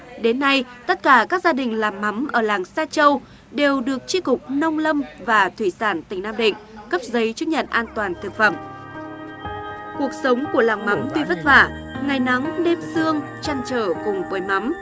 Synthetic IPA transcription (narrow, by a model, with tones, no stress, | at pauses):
ɗe˨˦nːa˧jt̪ə˦˥t̚kaː˧˩kaː˦˥k̚zaː˧ɗï˨˩ŋ̟laː˨˩mːa˨˦mʔəː˧˩laː˨˩ŋsaː˧t͡ɕə˧w | ɗe˨˩wɗɨ˨˩ək̚t͡ɕi˧˥kʊ˨˩k͡p̚nə˧wŋ͡mlə˧mvaː˨˩t̪ʰwi˧˩saː˧˩nt̪ï˧˩ŋ̟naː˧mɗḭ̈˧˨ŋ̟kə˦˥p̚zə˨˦jt͡ɕu˦˥t̚ɲə̰˧˨nʔaː˧nt̪waː˨˩nt̪ʰɨ˨˩k̚fə˧˩m | ku˨˩ək̚sə˨˦wŋ͡mku˧˩əlaː˨˩ŋma˨˦mt̪i˧və˦˥t̚va̰ː˧˩ŋa˨˩jna˨˦ŋɗe˧msɨ˧əŋ | t͡ɕa˧nt͡ɕəː˧˩kʊ˨˩ŋ͡mkwəː˨˦jma˨˦m